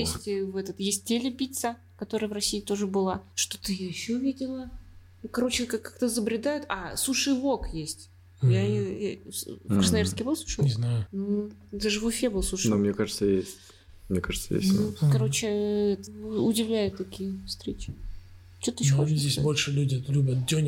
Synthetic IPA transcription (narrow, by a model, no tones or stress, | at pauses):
jesʲtʲvɛt̪ət̪jesʲt̚ʲtʲelʲɪpʲit̪sə | kɐt̪o̞ɾəjəvrɐsʲiːɪt̪o̞ʐɨbɨlˠaʂt̪o̥t̪ɨjaɪɕːovʲidʲɪlˠə | kɐɾo̞t͡ɕɪkakːakt̪əzəbɾʲɪd̪ajʊt̪ɐsuʂɨjvo̞kjesʲtʲ | ja | kɾəsnɐvʲerskʲɪjbɨlˠsu̥ʂɨɲʲɪznajʊ | d̪aʐɨvʊfʲebɨlˠsuʂnomnʲekaʐɨt̪səjesʲtʲ | mnʲekaʐɨt̪səjḛsʲkɐɾo̞t͡ɕɪɛt̪əʊdʲɪvlʲæjʊt̪ːɐkʲijəfst̪ɾʲet͡ɕɪ̥ | t͡ɕot̪ɨnɕozʲdʲesʲsbo̞lʲʂɨlʲudʲɪɛt̪lʲubʲət̪̚dʲonʲ